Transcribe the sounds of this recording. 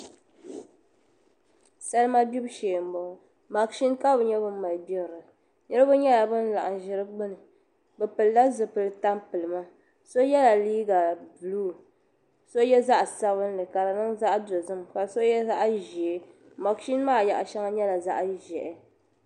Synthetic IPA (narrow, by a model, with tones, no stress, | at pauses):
sa˦lɨ˦ma˦bi˦bʃeː˨m̩˨bɔ˨˦ | ma˨kʃi˦nka˦bɨ˨ɲɛ˦bɨ˦ma˨lbi˦ɣɾɨ˨ | ɲɛ˦ɾɨ˦bʊ˦ɲɛ˦la˨bɨ˦n̩˦la˨ʔa˨n˨ʒɪ˦ɾɨ˦ɡ͡bɨ˦nɨ˨ | bɨ˨pɨ˨lːa˦zɨ˨pɨ˨lɨ˨ta˦mpɨ˨lɨ˨ma˦ | so˦jɛ˦la˨liː˦ɡa˨bɨ˨luː˦˨ | so˦jɛ˦za˦ʔsa˦βɨ˦nlɨ˨ka˨la˨nɨ˦ŋza˦ʔdo˨zɨ˦mka˨so˦jɛ˦za˦ʔʒi˨e˦ | ma˨kʃi˦n˦maː˦˨ja̰˨ʔʃɛ˦ŋa˦ɲɛ˦la˨za̰˦ʔʒɛ˨ʔɛ˨